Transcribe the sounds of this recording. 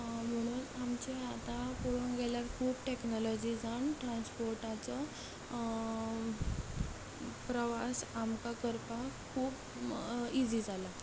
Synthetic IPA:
m̤əɽ̃uːnamt͡ɕeat̪apoɽunɡɛljaɾkʰuːpʈeknɔlɔd͡ʑiːd͡zaɳʈɾanspoɾʈat͡sɔ | pɾəʋasamkakəɾpakʰuːb | id͡ziːd͡zala

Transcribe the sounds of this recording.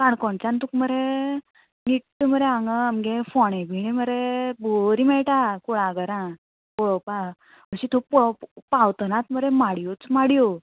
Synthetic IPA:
kaɳkɔɳt͡ɕant̪ukməɾe | ŋiʈːəməɾeaŋɡəmɡefɔɽ̃ẽbʱiɽiməɾeboɾimɛɭʈakuɽãɡəɾã | bɔɭɔpa | məɕit̪ʰopɔpawt̪ənãt̪məɾemaɽjot͡smaɽjo

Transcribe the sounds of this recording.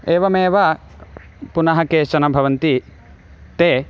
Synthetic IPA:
eːʋɐmeːʋɐ | punɐɦɐkeːʃɐnɐbʱɐʋɐnt̪i | t̪eː

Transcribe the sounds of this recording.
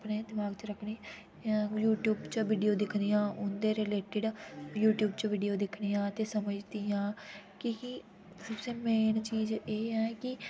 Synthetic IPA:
əpneːd̪ɪmaːɡt͡ʃəɾəkʰɽeː | juːʈjuːbt͡ʃəʋiːɖijoːd̪ɪkʰnijãːʔʊnd̪eːɾɪleːʈɪɖjuːʈjuːbt͡ʃəʋiːɖijoːd̪ɪkʰɽijãːt̪eːsəməd͡ʒd̪ijãːkɪ | səbseːmeːnt͡ʃiːzeːɛːkɪ

